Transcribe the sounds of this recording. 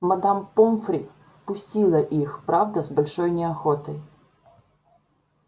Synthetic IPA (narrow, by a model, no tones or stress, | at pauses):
mɐd̪ampɔmfɾʲḭ | pʊsʲtʲilˠɐʔixpɾɑvd̪ɐzbɐlʲʂɔjnʲɛɐxɔt̪ɐj